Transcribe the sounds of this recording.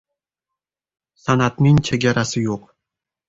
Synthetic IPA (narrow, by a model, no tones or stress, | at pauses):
sanat̪nɪŋt͡ʃʰeɡʲaɾasɪjoq